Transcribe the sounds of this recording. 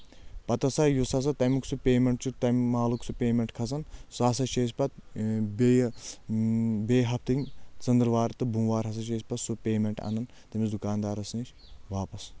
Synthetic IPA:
pɐt̪ɐsɐjusɐs̬ɐt̪ɐmiksupʲeːmeɳʈt͡ʃut̪ɐmmaːluksupʲeːmeɳʈkʰɐzɐnsɐsɐʃeːs̬ʲpɐt̪̚be | beːɦɐp̚ʰt̪ɨŋt͡sɐnd̪ɾʋaːɾt̪ɨbuːʋaːɾɦɐs̬ɐʃeːsʲpɐsupʲeːmeɳʈɐ̰nɐn | t̪ɐmisd̪ukaːnd̪aːɾɐsnit͡ʃ | ʋaːpɐs

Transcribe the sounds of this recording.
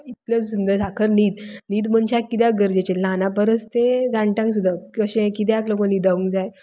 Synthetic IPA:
it̪ljəsund̪əɾsakʰəɾniːd̪niːd̪məɳt͡ɕakːit̪̬aɡəɾd͡ʑet͡ɕelanapəɾəst̪ed͡zãɳʈjãŋks̬ud̪ʱaəɕẽkit̪̬jaklokoniːd̪aʋũŋɡd͡zaj

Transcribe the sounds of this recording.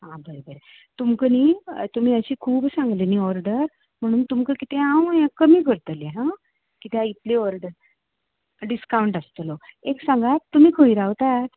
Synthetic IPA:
ɦãbəɾebəɾe | t̪umkəniːt̪um̤iːəɕiːkʰuːbsãŋɡleniːɔɾɖəɾ | m̤əɽ̃uːnt̪umkəkit̪eãwjãkəmiːkəɾt̪əleɦã | kit̪ait̪leɔɾɖəɾ | ɖiskawɳʈəst̪əloeksãŋɡat̪ːum̤iːkʰəiɾaʋt̪at̪

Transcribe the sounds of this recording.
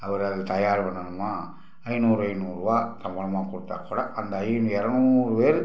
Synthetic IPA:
ɐʋɐɾɐðɯt̪ɐjaːɾpɐnːɐnɯmːaː | ɐɪnuːɾɯɐɪnuːɾɯʋaːt̪ɐmbɐlɐmaːkʊɽɯt̪ːa̰ːkːuːɽaʔɐnd̪ɐɐjnɛɾɐnuːɾɯpeːɾɯ

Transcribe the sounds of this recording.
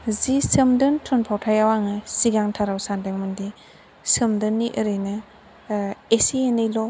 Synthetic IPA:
zisɯmdɯntʰɔnpʰawtʰajawaŋɯsiɡaŋtʰaɾawsandeŋmɯndi | sɯmdɯnːiʔəɾɯjnɯ | esienɯjlɔ

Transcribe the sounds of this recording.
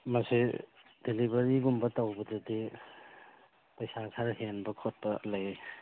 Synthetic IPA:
mɐsi | dilibɐɾiɡumbɐtawbɐdɐdi | pɐjsakʰaɾɦenbɐkʰot̚bɐlɐj

